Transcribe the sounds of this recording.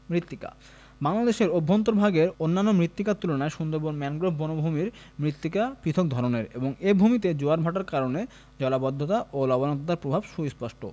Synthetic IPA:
mɾit̪ːika̰ | baŋlad̪eʃeɾobʱːont̪oɾbʱaɡeɾonːanːomɾit̪ːikat̪ulonaeʃund̪oɾboɾmɛnɡɾobonobʱumiɾ | mɾit̪ːikapɾit̪ʰok̚d̪ʱɔɾoneɾeboŋebʱumit̪̬ed͡ʑoaɾbʱaʈaɾkaɾone | d͡ʑɔlabɔd̪ʱːot̪aʔolɔbonɔnt̪̬ot̪aɾpɾobʱabʃujspɔʃʈo̰

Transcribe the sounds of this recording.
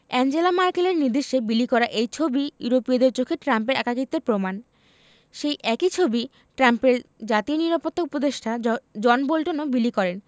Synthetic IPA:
ɛnd͡ʑelamaɾkeleɾniɾd̪iʃːebilikɔɾaʔejt͡ɕʰobijuɾopiad̪eɾt͡ɕokʰeʈɾampeɾa̰kakit̪ːeɾpɾoman | ʃejʔɛkit͡ɕʰobi | ʈɾampeɾd͡ʑat̪ioniɾapot̪ʰːoupod̪eʃʈʰad͡ʑɔnbolʈonobilikɔɾen

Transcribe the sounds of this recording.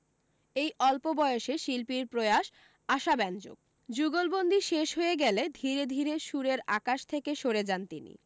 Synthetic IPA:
ejʔɔlpobɔeoʃeʃilpiɾpɾoeaʃ | aʃabɛnd͡ʑo̰ɡ̚ | d͡ʑuɡolbond̪ʱiʃeʃɦoeɡɛled̪ʱiɾed̪ʱiɾeʃuɾeɾakaʃt̪ʰekeʃoɾed͡ʑant̪inḭ

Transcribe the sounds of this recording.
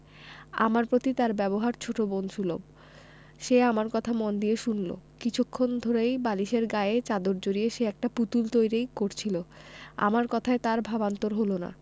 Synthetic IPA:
a̰maɾpɾot̪it̪aɾbɛboɦaɾt͡ɕʰoʈobonʃʰulo̰b | ʃeamaɾkɔt̪ʰamond̪ijeʃunlo̰kit͡ɕʰukʰːond̪ʱoɾejbaliʃeɾɡaeet͡ɕad̪oɾd͡ʑoɾieʃeɛk̚ʈaput̪ult̪ojɾejkoɾt͡ɕʰiloa̰maɾkɔt̪ʰaet̪aɾbʱabant̪oɾɦolona̰

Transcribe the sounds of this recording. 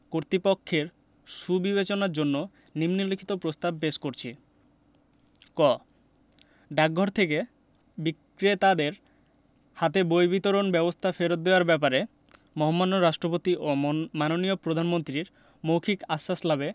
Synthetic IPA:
koɾt̪ipokʰːeɾ | ʃubiβet͡ɕonaɾd͡ʑonːo | nimnilikʰit̪opɾost̪ab̚peʃkoɾt͡ɕʰi | kɔ | ɖak̚ɡʱɔɾt̪ʰeke | bik | ɾet̪ad̪eɾ | hat̪ebojbit̪oɾonbɛbost̪ʰafeɾot̪̚d̪eoaɾbɛp̬aɾe | mɔɦomːanːoɾaʃʈɾopot̪iʔomanoniopɾod̪ʱanmont̪ɾiɾ | mowkʰikasːaslabe

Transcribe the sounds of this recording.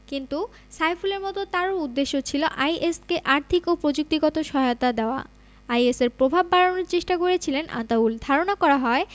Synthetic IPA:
kint̪u | sajfuleɾmɔt̪ot̪aɾoud̪ːeʃːot͡ɕʰiloʔajʔeskeʔaɾt̪ʰikopɾod͡ʑuk̚t̪iɡɔt̪oʃɔɦaot̪ad̪eoa̰ | ajeseɾpɾobʱabːaɾonoɾt͡ɕeʃʈakoɾet͡ɕʰilenʔa̰t̪auld̪ʱaɾonakɔɾaɦɔe

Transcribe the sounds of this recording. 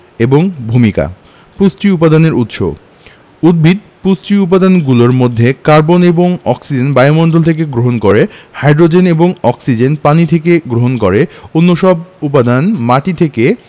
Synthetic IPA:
eboŋbʱumika̰ | pusʈiup̬ad̪ʱaneɾut̪ʃo̰b | ud̪̚bʱid̪̚ | pusʈɾiup̬ad̪ʱanɡuloɾmod̪ʱːekaɾboneboŋɔ̰ksid͡ʑenbajomoɳɖolt̪ʰek̬eɡɾoɦonkoɾehajɖɾod͡ʑeneboŋɔksid͡ʑenpanit̪ʰekeɡɾoɦonkoɾeonːoʃɔbup̬ad̪ʱanmaʈit̪ʰeke

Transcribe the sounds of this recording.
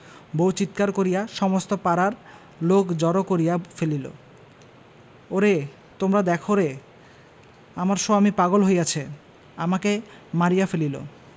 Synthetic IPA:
bowt͡ɕit̪kaɾkoɾijaʃɔmost̪opaɾaɾ | lokd͡ʑɔɾokoɾijafelilo̰ | oɾe | t̪omɾad̪ɛkʰoɾe | amaɾʃoamipaɡolɦoeat͡ɕʰe | amakemaɾijafelilo̰

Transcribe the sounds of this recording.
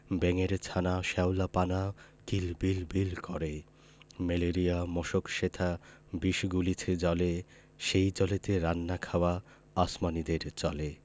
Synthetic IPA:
bɛŋeɾt͡ɕʰanaʃɛwlapana | kilbilbilkɔɾe | meleɾijamɔʃokʃet̪ʰabiʃɡulit͡ɕʰed͡ʑɔle | ʃejt͡ɕɔlet̪eɾanːakʰawa | asmanid̪eɾt͡ɕɔle

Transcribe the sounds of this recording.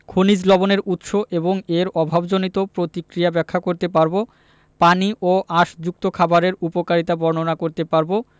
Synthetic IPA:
kʰonid͡ʑlɔboneɾut̪ʃoʔeboŋeɾɔbʱabd͡ʑonit̪opɾot̪ikɾijabɛkʰːakoɾt̪ep̬aɾbo | paniʔoʔaʃd͡ʑuk̚t̪okʰabaɾeɾupokaɾit̪abɔɾnonakoɾt̪epaɾbo

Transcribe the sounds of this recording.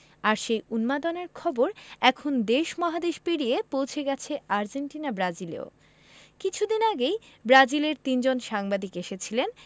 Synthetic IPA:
aɾʃejunmad̪oneɾkʰɔboɾɛkʰond̪eʃmɔɦad̪eʃpeɽijepowt͡ɕʰeɡɛt͡ɕʰeaɾd͡ʑenʈinabɾad͡ʑilḛo̰ | kit͡ɕʰud̪inaɡejbɾad͡ʑileɾt̪ind͡ʑonʃaŋbad̪ikeʃet͡ɕʰilen

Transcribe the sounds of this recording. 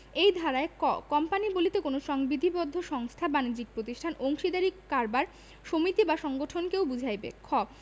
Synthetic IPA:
ejd̪ʱaɾaekɔmpanibolit̪ekonoʃɔŋbid̪ʱibɔd̪ʱːoʃɔŋst̪ʰabanid͡ʑik̚pɾot̪iʃʈʰanoŋʃid̪aɾikkaɾbaɾ | ʃomit̪ibaʃɔŋɡoʈʰonkewbud͡ʑʱajbḛkʰɔb

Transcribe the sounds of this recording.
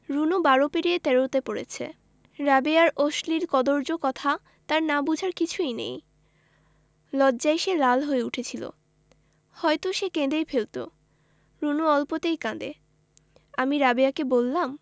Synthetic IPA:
ɾunubaɾopeɾiet̪ɛɾowt̪epoɽḛt͡ɕʰḛ | ɾabeaɾʔoʃliɾkɔd̪oɾd͡ʑokɔt̪ʰa | t̪aɾnabud͡ʑʱaɾkit͡ɕʰuejnḛj | lɔdːʑajʃelalɦoeuʈʰet͡ɕʰilo̰ | hɔjt̪oʃekẽd̪ejfelt̪o̰ | ɾunuɔlpot̪ejkãd̪ḛ | amiɾabeakebolːam

